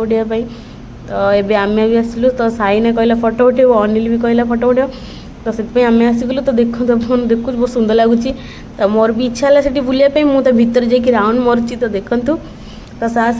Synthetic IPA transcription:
ɽjapaĩ | t̪ɔebeamabʱiəsilut̪ɔsainɛkɔilafɔʈɔʈʰejɔnilibʱikɔilapʰɔʈoʈjo | t̪ɔset̪paĩamẽasiklut̪ɔd̪ekʰut̪ɔund̪ekʰut͡ʃbosũnd̪ʱɔlaɡut͡ʃʰi | t̪ɔmɔɾbʱiːtːʃʰalasaʈibuljapaĩmũt̪ɔbʱit̪ːəɾd͡ʒakiɾawunmɔɾt͡ʃʰit̪ɔd̪ekʰənt̪u | t̪ɔsa

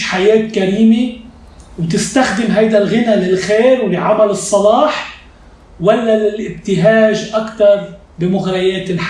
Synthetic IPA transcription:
ħajeːt̪kaɾiːme | wt̪ɪst̪axd̪ɪmɦajd̪alɣɪnalɪlxeːɾwlɪʕamalɨsˤːɑlɑːħ | walːalɪlʔɪb̚t̪ɪɦaːʒʔakt̪ɑɾˤ | bɪmʊɣɾajeːt̪ɪlħ

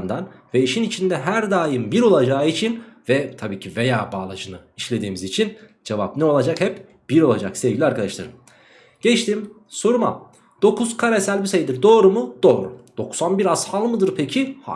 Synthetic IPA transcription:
nd̪anvɛiʃinit͡ʃʰind̪ɛɦæɾd̪aːjɯmbiɾo̞lˠad͡ʒaːit͡ʃʰinvɛt̪ʰabiːcʰivejaːbaːlˠad͡ʒɯnɯiʃlʲe̞d̪iːmizit͡ʃʰind͡ʒevapnɛo̞lˠad͡ʒakhɛp | b̥iɾo̞lˠad͡ʒaksevɟilʲiaɾkad̪aʃlˠa̰ɾɯm | ɟ̥ɛt͡ʃt̪ʰim | so̞ɾuma̰m | d̪̥o̞kʰuz̥kʰaɾesælʲbisejid̪iɾd̪o̞ːɾumud̪̥o̞ːɾṵd̪̥o̞ksanbiɾazhalˠmɯd̪ɯɾpʰecʰiha̰

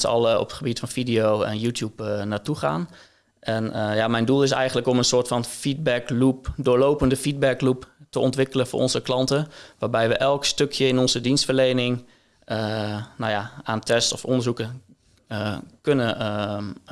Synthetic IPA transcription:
sɑ̰lˠəɔ̰pəχəbitfɑnfidijoːɛ̰njuːtjupnaːtuχa̰ːn | ʔɛnjamɛjndulˠɪs̬ɛ̰jɣəndləkɔmənsoːtfɑnfid̚bɛklupdʊːɹlowpəndəfid̚bɛkluptəɔntʋɪkələfʊ̰ːʔɔnzəklɑntəʋaːɹbɛjʋəʔɛlˠkstøkʰjəɪnɔnzədinstfərlejnɪŋ | nawjaaːntʰɛstɔfɔ̰ndərzukə | kønə

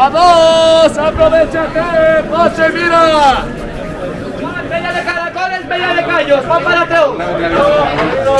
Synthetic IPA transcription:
aðosapɾoβet͡ʃat̪enot͡ʃemiɾa | apeʎaðekaɾakonesmpeʎaðekaɲospapaɾat̪ɾow

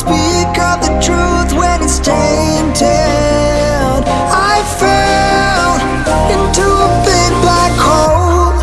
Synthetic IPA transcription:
spikʌvðɨtʰɹ̥uθwənɨste | ɪ̃ntʰɛ | n | aɪfɛ | lˠ | ɪ̃ntʰubɪ̃ŋblakhoʊl

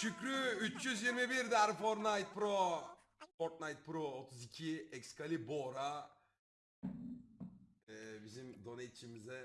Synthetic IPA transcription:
ʃycɾyyt͡ʃjyzjiɾmibiɾd̪æɾfoɾnajt̪̚pɾo | foɾt̪̚najt̪̚pɾoot̪ʰuzicʰiɛcskʰalʲiboɾa | ɛːbizimd̪o̞net͡ʃʰimizɛ

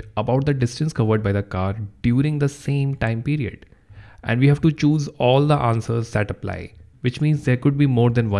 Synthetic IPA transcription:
əbaʊʈ̚d̪əɖɪsʈə̃nskʌʋəɾɖ̚baɪd̪əkaːɾɖjuːɾɪ̃ŋd̪əsẽːmʈãɪ̃mpiːɾiə̰ɖ | ʔɛ̰̃ɳɖʋiːɦæʋʈut͡ʃuːzɔːld̪əʔãːnsəɾzd̪æʈəpla̰ɪʋɪt͡ʃmĩːnzd̪eːɾkʊɖ̚biːmoːɾd̪ɛ̃nʋʌ̃

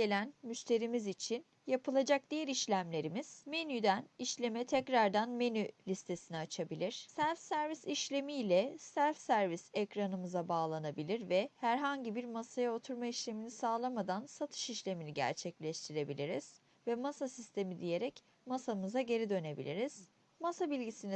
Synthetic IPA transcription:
ɟe̞lʲænmyʃt̪ʰe̞ɾimizit͡ʃʰin | japʰɯlˠad͡ʒak̚d̪̥ijɛɾiʃlʲæmlʲe̞ɾimiz̥me̞nyd̪æniʃlʲe̞mɛt̪ʰɛcɾaɾd̪anme̞nylʲist̪ʰe̞siniat͡ʃʰabilʲiɾ̥sæɾfsæɾvisiʃlʲe̞mijlʲɛsæɾfsæɾvisɛcɾanɯmɯzabaːlˠanabilʲiɾvɛhæɾɦaɲɟibiɾmasajaot̪ʰuɾmaiʃlʲe̞minisaːlˠamad̪ansat̪ʰɯ̥ʃiʃlʲe̞miniɟæ̰ɾt͡ʃʰɛclʲɛʃt̪ʰiɾe̞bilʲiɾiz̥ | vɛmasasist̪ʰe̞mid̪ije̞ɾɛc | masamɯzaɟe̞ɾid̪ø̞ne̞bḭlʲiɾiz̥ | masabilʲɟisini

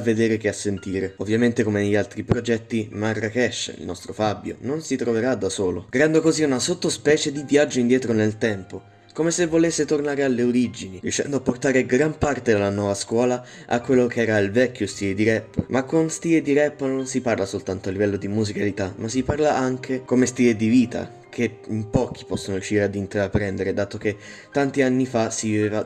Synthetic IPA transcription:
avːed̪eːɾek̟easːent̪iːɾeovːjament̪ekomeneʎːialt̪ɾipɾod͡ʒɛt̪ːimarːakɛʃːḭlnɔst̪ɾofabːjo̰nonsit̪ɾoveɾad̪ːasoːloɡɾand̪okoziunasot̪ːospɛːt͡ʃed̪ivjad͡ʒːoind̪jɛːt̪ɾonelt̪ɛmpo | komesevːolesːet̪ornaːɾealːeoɾid͡ʒinirjuʃːɛ̰nd̪oapːort̪aːɾeɡɾampart̪ed̪elːanwɔːvaskwɔːla | a̰kːwelːokeɛːɾailvɛkːjost̪iːled̪iɾɛpːmʔakːonst̪iːled̪iɾɛpːnonsiparlasolt̪ant̪oalːivɛlːod̪imuzikalit̪amasːiparlaʔaŋkʰekomest̪iːled̪iviːt̪a̰ | kʰe | impɔːk̟i̥pɔsːonojuʃːiːɾead̪int̪eɾapːɾɛnd̪eɾed̪aːt̪ok̟et̪ːant̪ianːifasiviveːva

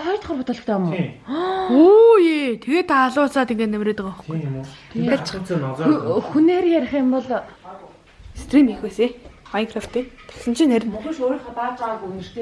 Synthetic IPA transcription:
ɔjt̪χɔrpʊt̪ɔ̆ɮɞ̆χt̪ʰaːm | oːjit̪ʰeɣeːt̪ʰːaːɮʊːsaːt̪iŋɡeːt̪næmreːt̪əkɔχɡu | t̪at͡ɕː | xuneːrjæɾ̆ʲχiːmpɔɮ | st̪ʰriːnixeːsemajŋkʰraft̪et̪ʰḁsə̆nt͡ɕʰinæɾʲɪ̆nxĕʃoɾĭχɔt̪aːt͡ɕaʁɡue

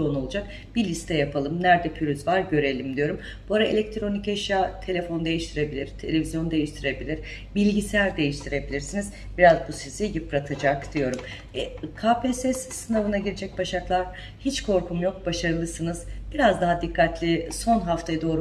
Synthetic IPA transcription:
ono̞lˠud͡ʒak̚ | b̥ilʲist̪ʰɛjapʰalˠɯmnæɾd̪ɛpʰyɾyzvaɾɟø̞ɾe̞lʲimd̪ijo̞ɾum | b̥uaɾaelʲɛc̚t̪ʰɾo̞nicɛʃjat̪ʰe̞lʲefo̞nd̪e̞jiʃt̪ʰiɾe̞bilʲiɾ̥t̪ʰe̞lʲe̞vʲizjo̞nd̪e̞jiʃt̪ʰiɾe̞bilʲiɾ̥ | bilʲɟisæɾd̪e̞jiʃt̪ʰiɾe̞bilʲiɾsiniz | b̥iɾazbusiz̥ijɯpɾat̪ʰad͡ʒakd̪̥ijo̞ɾum | ɛkʰaːpʰesɛssɯnavɯnaɟiɾed͡ʒɛc̚baʃaklˠaɾ̥ | hit͡ʃkʰo̞ɾkumjo̞k̚baʃaɾɯlˠɯsɯnɯz̥b̥iɾazd̪aɦad̪ikːat̪lʲiso̞nɦaft̪ʰajd̪o̞ːɾu

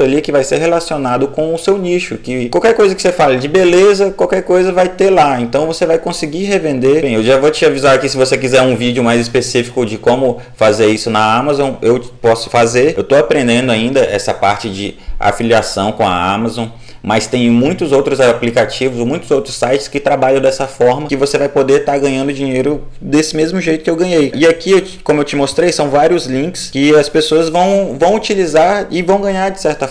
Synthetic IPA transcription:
ʊalikɪvajseɾɦelasionad̪ʊkõʊsewniʃʊkɪkawkɛɾkojzɐkɪ̥sefalɐd͡ʒɪbelezɐkwawkɛɾkojzɐvajt̪elaẽnt̪ɐ̃w̃vosevajkõsɪɡiɦevẽnd̪ebẽj̃ewʒavot͡ʃɪavizaɾkɪsɪvosekizɛɾũvid͡ʒiʊmajzispesifi̥kʊd͡ʒɪkõmʊfazeɾisʊnɐamazõewpɔsʊ̥fazeɾewt̪oapɾẽnd̪ẽnd̪ʊaĩnd̪ɐʔɛsɐpaɾt͡ʃɪd͡ʒɪa̰filiasɐ̃w̃kõɐ̰a̰mazõ | mɐst̪ẽj̃mũj̃t̪ʊzowt̪ɾʊzaplikat͡ʃivʊzmũj̃t̪ʊzowt̪ɾʊsajt͡ʃɪ̥skɪt̪ɾabaʎɐ̃w̃d̪ɛsɐfɔɾmɐkɪvosevajpod̪eɾt̪aɾɡɐ̃ɲɐ̃nd̪ʊd͡ʒĩɲejɾʊd̪esɪmezmʊʒejt̪ʊ̥kɪewɡɐ̃ɲejɪakiewkõmʊewt͡ʃɪmost̪ɾejsɐ̃w̃vaɾiʊzlĩkɪ̥skɪɐspesoɐzvɐ̃w̃vɐ̃w̃ut͡ʃilizaɾɪvɐ̃w̃ɡɐ̃ɲaɾd͡ʒɪsɛɾt̪ɐ

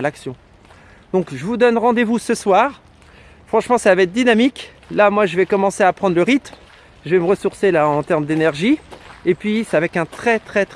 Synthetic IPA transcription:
laksjɔ̃ | d̪̥ɔ̃kʒəvud̪ɔnʁɑ̃d̪evusəswaːʁ | fχɑ̃ʃmɑ̃savaɛt̪̚d̪inamik | lamwaʒəvɛkɔmɑ̃seapχɑ̃d̪ʁləʁit̪m | ʒəvɛməʁəsuʁselaɑ̃t̪ɛʁmd̪enɛʁʒiepɥisɛavɛkɛ̃t̪χɛt̪χɛt̪

